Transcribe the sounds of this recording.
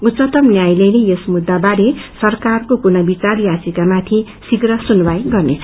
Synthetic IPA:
ut̪t͡sʌt̪ʌmnjajlejnejʌsmud̪ːabaɾesʌrkarkokunʌbit͡sarjat͡sikamat̪ʰi | siɡrʌsunbajɡʌrnet͡sʰ

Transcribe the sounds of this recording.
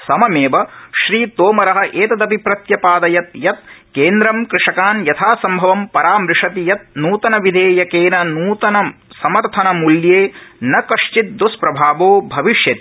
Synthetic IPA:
sɐmɐmeːʋɐʃɾiːt̪oːmɐɾɐɦɐʔeːt̪ɐd̪ɐbʱipɾɐt̪jɐpaːd̪ɐjɐt̪̚jɐt̪̚keːnd̪ɾɐmkɾɪʂɐkaːnjɐt̪ʰaːsɐmbʱɐʋɐmpɐɾaːmɾɪʂɐt̪ijɐt̪̚nuːt̪ɐnɐʋid̪ʱeːjɐkeːnɐnuːt̪ɐnɐsɐmɐɾt̪ʰɐnɐmuljeːnɐkɐʂt͡ʃit̪̚d̪uspɾɐbʱaːʋoːbʱɐʋiʃjɐt̪i

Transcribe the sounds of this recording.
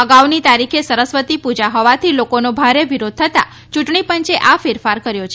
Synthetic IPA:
əɡaʋnit̪aɾikʰesəɾəsʋət̪ipud͡ʒaɦɔʋat̪ʰilokonobʱaɾeʋiɾod̪̚ʱt̪ʰət̪a | t͡ʃuʈɳipəɲt͡ʃeʔafɪɾfaɾkəɾjot͡ʃʰe

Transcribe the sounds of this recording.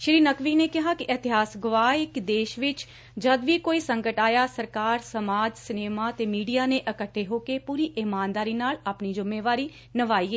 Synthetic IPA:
ʃɾiːnəkʋiːneːkɪɦaːkɪʔɪt̪ɪɦaːsɡʊʋaːɪkd̪eːʃʋɪt͡ʃ | d͡ʒəd̪ʋiːkoːiːsə̃ŋkəʈaːjaːsəɾkaːɾsəmaːd͡ʒsɪneːmaːt̪eːmiːɖijaːnẽːʔəkəʈʰːeːɦoːkeːpuːɾiːʔɪmaːnd̪aːɾiːnaːlapniːd͡ʒʊmːeːʋaːɾiː | nəʋaːiːeː

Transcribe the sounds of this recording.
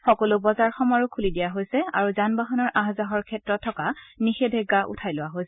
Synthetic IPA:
xɔkɔlʊbɔzaɹxɔmaɹʊkʰulidijaɦojsɛa̰ɹuzanbaɦɔnɔɹʔãɦazaɦɔɹkʰɛtɹɔtʰːɔkanixedʱeɡːaʔṵtʰajlʊwaɦojs

